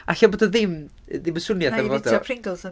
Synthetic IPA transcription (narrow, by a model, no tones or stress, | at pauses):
aɬaboːdɔðɪm | ðɪməsʊnjaθavodɔpʰrɪŋdlˠz